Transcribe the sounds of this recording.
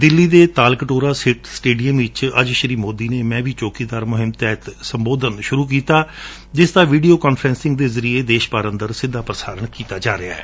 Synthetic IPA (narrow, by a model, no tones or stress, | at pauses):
d̪ɪlːiːd̪eːt̪aːlkəʈoːɾaːsɪʈsʈeːɖijəmʋɪt͡ʃə̰d͡ʒʃəɾiːmoːd̪iːneːmɛ̃ːbʱiːt͡ʃoːkiːd̪aːɾmʊɦɪmt̪ɛːt̪səmboːd̪ʱənʃʊɾuːk̬iːt̪aː | d͡ʒɪsd̪aːʋiːɖijoːkaːnpʰɾɛ̃ːnsɪ̃ŋɡd̪eːzəɾieːd̪eːʃpaːɾə̃nd̪əɾsɪd̪ʱːaːpɾəsaːɾəɳkiːt̪aːd͡ʒaːɾɪa̰ːɛ̰ː